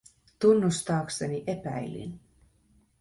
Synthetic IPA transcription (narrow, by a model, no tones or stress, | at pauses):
t̪unːust̪ɑːkseniʔe̞pæjlḭn